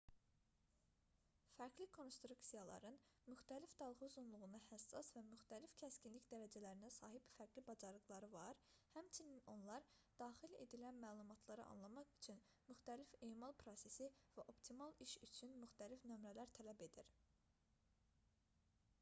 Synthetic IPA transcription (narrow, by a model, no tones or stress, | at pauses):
fæɾɡlikʰo̞nst̪ɾuksijɑlˠɑ̰ɾɯnmyxt̪ælifd̪ɑlˠɣuuzunlˠuʁunɑhæsːɑsvæmyxt̪ælifcʰæscinlicd̪æɾæd͡ʒælæɾinæsɑːɦibfæɾɡlibɑd͡ʒɑɾɯɣlˠɑɾɯvɑɾhæmt͡ʃʰinino̞nlˠɑɾ | d̪̥ɑːχile̞̰d̪ilænmæːlˠumɑt̪ʰlˠɑɾɯɑ̰nlˠɑmɑχyt͡ʃʰyn | myxt̪ælifeːmɑlˠpʰɾo̞se̞sivæʔo̞pt̪ʰimɑlˠiʃyt͡ʃʰynmyxt̪ælifnø̞mɾælæɾt̪ʰælæbe̞d̪iɾ